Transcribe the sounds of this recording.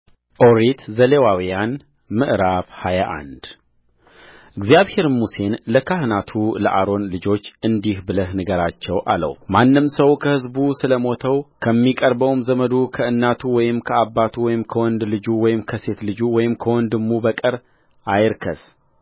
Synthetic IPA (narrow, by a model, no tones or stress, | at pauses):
ʔoɾit̪ʰzəlewawijan | mɨʔɨɾaβhajaʔa̰nd̪ | ʔɪɡzijaβhe̞ɾmuse̞nləkʰahnat̪ʰulə̰ʔaɾo̞nlɨd͡ʒo̞t͡ʃːɨnd̪ihbɨləhnɨɡəɾat͡ʃːɛwʔa̰lə̰wmanːɨmsəwkʰəhɨzbusɨləmo̞t̪ʰəwkʰəmːikʼəɾbəwmzəməd̪ukʰəɨnːat̪ʰuwɔjɪmkʰəabːat̪ʰuwɔjɪmkʰəwɔnd̪lɨd͡ʒuwɔjɪmkʰəse̞t̪lɨd͡ʒuwɔjɪmkʰəwɔnd̪ɨmːubəkʼɨɾ | ʔajɾkʰə̰s